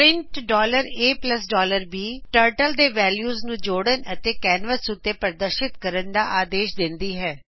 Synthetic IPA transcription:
ɾɪ̃ɳʈɖɔːləɾeːpləsɖɔːləɾbiːʈəːɾʈəld̪eːʋɛːljuːznũːd͡ʒoːɽənət̪eːkɛːnʋəsʊt̪ːeːpəɾd̪əɾʃɪt̪kəɾənd̪aːʔaːd̪eːʃd̪ɪnd̪iːɦɛː

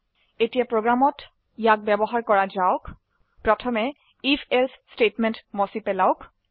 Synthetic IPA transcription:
etijapɹoɡɹamɔt | ijak̚bɛbɔɦaɹkɔɹazaʊk | pɹɔtʰɔmɛ | ipʰɛlsstetmɛntmɔsipɛlaʊk

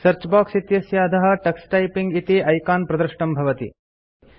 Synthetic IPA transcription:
sɐɾt͡ʃbaːksit̪jɐsjaːɐd̪ɐɦɐ̆ʈɐksʈɐjpiŋɡit̪iʔɐjkaːnpɾɐd̪ɐɾʃɳɐmbʱɐʋɐt̪ḭ

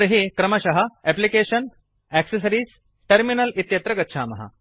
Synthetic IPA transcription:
ɾɦekɾɐmɐɕɐɦɐɛplikeːɕən | ɛkses̬ɐɾiːs | ʈɐɾminɐlit̪jɐt̪ɾɐɡɐt̪ːʃʰaːmɐɦa̰

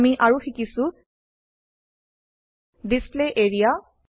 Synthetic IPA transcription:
miʔaɹuxikisʊ | displeʔeɹija

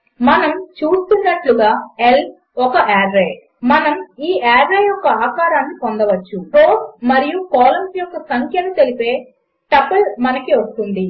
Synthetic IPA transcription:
mɐnɐmt͡ʃuːst̪unːɐʈluɡaːel | ɔkɐʔaːɾɾeː | mɐnɐmiːaːɾːeːjɔkːɐaːkaːɾaːnːikond̪ɐʋɐt͡ʃːuɾoːsmɐɾijukɔːlɐmsijɔkːɐsɐŋkʰjɐnut̪e̞lipe̞ː | ʈɐpːɐlmɐnɐkiʋɐst̪und̪i

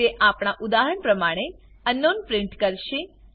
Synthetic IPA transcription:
eʔapɽ̃aʔud̪aɦəɳpɾəmaɽ̃e | ənːonpɾɪ̃ɳʈkəɾʃe

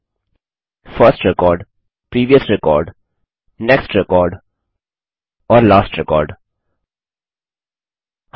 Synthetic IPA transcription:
fəɾsʈɾɛkɔːɾɖ | pɾiːʋiəsɾɛkɔ̰ːɾɖ | nɛksʈɾɛkɔːɾɖ | ɔːɾlaːsʈɾɛkɔ̰ːɾɖ | h

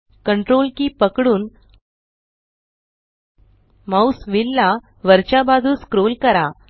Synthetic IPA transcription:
kəɳʈɾolkiːpəkɽuːn | mawsʋilːa | ʋəɾt͡ɕabad͡zʱuːskɾolkəɾa

